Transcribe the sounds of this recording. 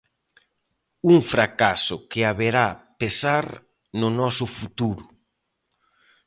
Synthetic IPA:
uŋfɾakasʊkɪaβeɾapesaɾ | nʊnɔsʊfut̪uɾʊ

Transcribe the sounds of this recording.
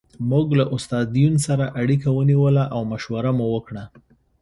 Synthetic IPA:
muɡlaʔʊst̪ɑd̪ijunsaɾaʔaɽik̬awəniwəlaʔawmaʃwaɾamuwəkɽa

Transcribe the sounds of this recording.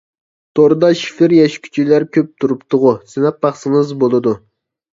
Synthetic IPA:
t̪ʰoɾd̪ɑʃi̥fɪɾjɛʃkʲʰy̥t͡ʃʰilæɾkʲʰøp̚t̪ʰuɾupt̪ʰʊʁʊsɪnɛp̚bɑχsɨŋɨzbolˠɨd̪u

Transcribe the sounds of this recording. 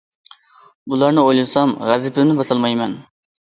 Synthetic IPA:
bulˠɑɾnɨojlˠɨsɑmʁæzɪpʰɪnɪbɑsɑlˠmɑjmɛn

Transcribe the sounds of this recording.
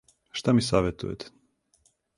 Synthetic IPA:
ʃt̪amisaːʋet̪ṵjḛt̪e̥

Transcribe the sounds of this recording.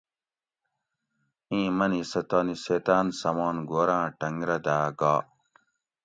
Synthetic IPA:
ĩːmɐnisɐt̪oniset̪aːnsɐmoːnɡoːɾãːʈɐŋɡɾɐd̪aːɡaː

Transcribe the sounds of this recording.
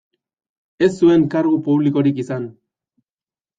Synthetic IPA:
e̞sːue̞ŋkaɾɣupuβliko̞ɾikisan

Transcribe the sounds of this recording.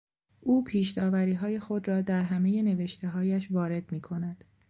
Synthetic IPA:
ʔuːpʰiːʃd̪ɒːvæɾiːɦɒːje̞xo̞d̪ɾɒːd̪æɾɦæme̞je̞ne̞ve̞ʃt̪ʰe̞ɦɒːjæʃvɒːɾe̞d̪̥miːkʰo̞næd̪̥

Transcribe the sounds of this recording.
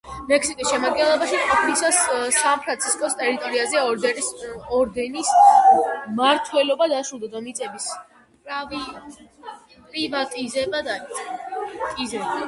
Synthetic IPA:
mɛksikʼisʃɛmad̪̚ɡɛnlˠɔbaʃiqʼɔpʰilisassanpʰɾant̪sʰiskʼɔst̪ʼɛɾit̪ʼɔɾiazɛɔɛɔɾd̪ɛnis | maɾt̪ʰwɛlɔbad̪aʃud̪ad̪amit̪sʼɛbis | pʼɾavi | pʼɾivat̪ʼizɛbad̪aɾi | kʼizɛb

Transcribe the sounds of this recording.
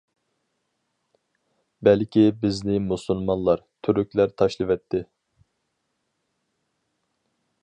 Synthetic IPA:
bɛlkʲʰibɪznɪmusulˠmɑnlˠɑɾt̪ʰyɾykʲlæɾt̪ʰɑʃlˠɨvɛt̪ʰːɪ

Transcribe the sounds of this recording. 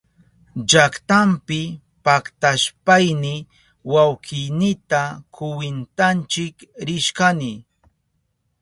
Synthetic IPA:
d͡ʒakt̪ampɪ | pakt̪aʃpajnɪ | wawkɪjnɪt̪akʰʊwɪnt̪ant͡ʃɪkɾɪʃkanɪ

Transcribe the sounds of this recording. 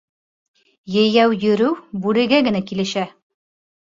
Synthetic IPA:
jɘ̆jæwjɵ̆ɾɘwbʉlɘ̆ɡæɡɘ̆nækilɘ̆ʃæ

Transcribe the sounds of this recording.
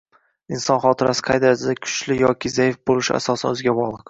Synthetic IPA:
ɪnsɒnχɒt̪ʰɪɾasɪ̥qʰɑjd̪asɪd̪akʲʰʊ̥t͡ʃlɪjɒkʲʰɪzajɪfbolˠɪʃɪ̰a̰sɒsanɵzɡʲabɒlˠɨq

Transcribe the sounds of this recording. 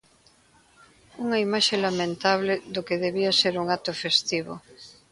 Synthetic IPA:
uŋaimaʃelamẽnt̪aβ̞leðokeð̞eβiaseɾuŋat̪ofest̪iβo̰

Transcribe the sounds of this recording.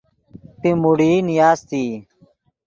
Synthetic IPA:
pimuɽiːnijaːst̪iː

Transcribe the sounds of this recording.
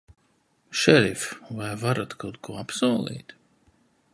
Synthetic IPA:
ʃɛɾifvajvaɾat̪kʰawt̪kuɔapsuɔlˠḭːt̪

